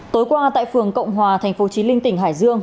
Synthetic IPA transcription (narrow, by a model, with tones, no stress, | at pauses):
t̪o˨˦jkwaː˧t̪a̰ː˧˨jfɨ˨˩əŋkə̰˧˨wŋ͡mɦwaː˨˩t̪ʰɛ˨˩ŋ̟fo˨˦t͡ɕi˨˦mï˧ŋ̟t̪ï˧˩ŋ̟ɦaː˧˩jzɨ˧əŋ